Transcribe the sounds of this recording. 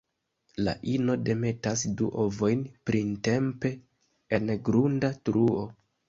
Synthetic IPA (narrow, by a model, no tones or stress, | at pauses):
la̰ʔino̞de̞me̞tasdṵʔo̞vo̞jnpɾinte̞mpe̞ | enɡɾundatɾuo̞